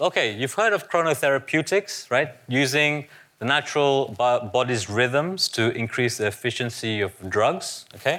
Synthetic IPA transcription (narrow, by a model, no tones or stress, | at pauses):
oʊkʰeɪjʉv̥hɜ˞ɾəv̥kʰɹ̥oʊñoθɛɹəpʰjʉtɪksɹaɪt̚jʉːzɪ̃ŋ | ðənæt͡ʃəɹəlˠbɔdizɹɪðə̃mz̥tʰɨʔɪ̃nkʰɹ̥isðiɛfɪʃə̃nsiɔvdɹʌɡz̥okʰeɪ